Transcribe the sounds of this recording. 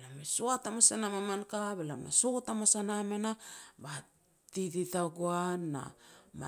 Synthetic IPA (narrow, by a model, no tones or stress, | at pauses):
lamesuatamasanamamankabelamḛsotamasanamenaba | tititaɡoanːa̰ma̰